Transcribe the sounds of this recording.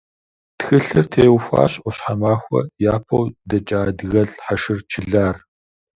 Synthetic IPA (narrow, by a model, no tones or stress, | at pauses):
txɨɬɨrtʰeːʊxʷa̰ːɕʼʔʷɔɕħamaːxʷɔ̰jaːpʰɐwdɐt͡ʃʼaːdɣɐɮħaʃɪrt͡ʃʰɪɮaːr